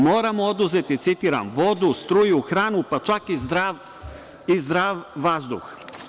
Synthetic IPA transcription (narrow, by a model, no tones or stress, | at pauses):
moːɾamood̪uzɛt̪it̪sit̪iɾa̰nvod̪ust̪ɾujuxɾanupat͡ʃakizd̪ɾaʋ | izd̪ɾavvazd̪ux